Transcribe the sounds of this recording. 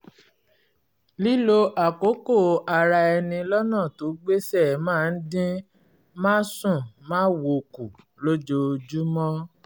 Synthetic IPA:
li˦lo˧ʔa˨ko˨˦ko˦˨a˧ɾa˧ɛ˧nĩ˧lɔ˦nãː˦˨to˨˦ɡ͡be˦sɛ˦˨mãː˦˨˧n̩˦dĩ˦ | mãː˦sũ˦˨mãː˦wo˧ku˨ | lo˦d͡ʒo˧d͡ʒu˦mɔ̃˦

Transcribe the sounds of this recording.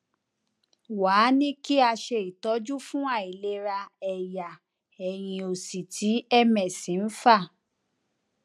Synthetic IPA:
waː˨˦nĩ˦ki˦a˧ʃe˧˨i˨tɔ˨˦d͡ʒu˦fũ˦a˦˨i˨le˧ɾa˧ɛ˨ja˨ | ɛ˨j̃ĩ˧o˨si˨tʰi˨˦ɛ˦mɛ̃˨sĩ˨˦n̩˦fa˦˨

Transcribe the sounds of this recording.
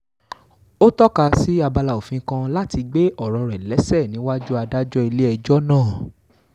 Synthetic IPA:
o˦tɔ˦ka˧si˦a˧ba˧la˧˨o˨fĩ˨˦kã˧la˦ti˧ɡ͡be˦ʔɔ˦˨ɾɔ˧ɾɛ˨lɛ˨˦sɛ˦˨nĩ˨˦wa˦d͡ʒu˦a˧da˦d͡ʒɔ˦i˧le˦ɛ˧d͡ʒɔ˦nãː˦˨

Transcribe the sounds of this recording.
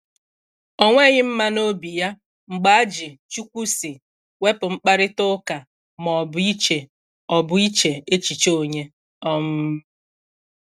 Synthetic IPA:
ɔ˦ŋʷe˦ɲɪ˦m̩˦ma˦no˦bi˨ja˦ | ŋ͡m̩˨ɡ͡ba˨a˦d͡ʒɪ˨t͡ʃu˦kʷu˦si˨ | we˦pʊ˨ŋ͡m̩˦k͡pa˦ɾɪ˦tʊ˦ka˨ | mɔ˨bʊ˨i˦t͡ʃe˨ | ɔ˨bʊ˨i˦t͡ʃe˨e˦t͡ʃi˨t͡ʃo˦˨ɲe˦ | ɔ˦mʊ˦

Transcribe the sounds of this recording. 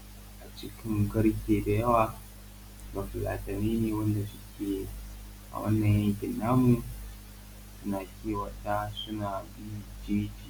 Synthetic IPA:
ʔa˨t͡ʃɪ˦kʲʰɪ˦ŋɡɐ˦ɽkʲeː˨da˨jɐ˦waː˨ | ɡa˨fʊ˨la̰ː˨tɐ˨miː˦neː˨wɐ˦nda˨sʊ˦kʲeː˨ | ʔa̰˨wɐ̰˦nːɐ˨jjɐ˦ŋkʲɪ˨nːaː˦mu˨ | sʊ˦naː˨kʲeː˦˨wɐ˨ta˦sʊ˦naː˨bɪ˦d͡ʒiː˦d͡ʒiː˨

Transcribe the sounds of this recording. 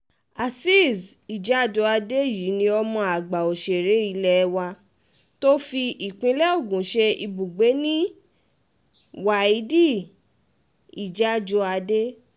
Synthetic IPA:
a˨si˦˨zi˨d͡ʒa˨˦˨d͡ʒɔ˧a˧de˦jiː˨˦nĩ˧ɔ˧mɔ̃˧a˨ɡ͡ba˨o˨ʃe˨ɾe˨˦i˧lɛ˧wa˧ | to˦fi˧ʔi˨k͡pĩ˧˦lɛ˦o˦˨ɡũ˨˦ʃe˧i˧bu˨ɡ͡be˨˦nĩ˦ | wa˨i˨˦di˦˨ | i˨d͡ʒa˦d͡ʒɔ˧˦a˧de˦

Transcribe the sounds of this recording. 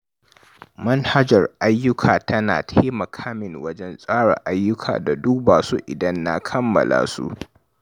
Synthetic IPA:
mɐ˦nha˦d͡ʒɐ˨rʔa˦jːʊ˦kʰaː˨tɐ˦naː˨tʰeː˦mɐ˨kʰaː˦mɪ˨ŋwɐ˦d͡ʒɛ˦nsʼaː˦ɽa̰˨ʔa˦jːʊ˦kʰa̰ː˨da˨duː˦baː˨su˦ʔɪ˨dɐ˦nːa˦kʰɐ˦mːɐ̰˨la̰ː˦sṵ˦ʔ

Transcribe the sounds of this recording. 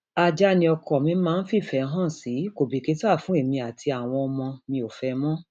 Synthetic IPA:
a˧d͡ʒa˧nĩ˧ɔ˧kʰɔ˨mĩ˧˦mãː˦˧n̩˦fi˦˨fɛ˨˧˨ɦã˦˨si˨˦ko˨bi˨ke˨˧˦to˦a˦˨fũ˦e˦˨mĩ˧a˨tʰi˧a˨w̃ɔ̃˧ɔ˧mɔ̃˧nĩ˧o˨fɛ˧mɔ̃˦

